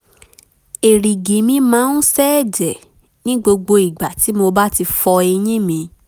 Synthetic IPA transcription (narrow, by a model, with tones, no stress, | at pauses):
e˨ɾĩ˨ɡĩ˨mĩ˧mãː˨˦n̩˦sɛ˦˨d͡ʒɛ˨ | nĩ˦ɡ͡bo˧ɡ͡bo˧i˨ɡ͡ba˨ti˨˦mo˧ba˦ti˧fɔ˧e˧j̃ĩ˦mĩ˧